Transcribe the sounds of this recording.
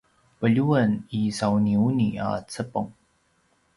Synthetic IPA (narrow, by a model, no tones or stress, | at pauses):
pəʎuənisawniunia̰t͡səpoŋ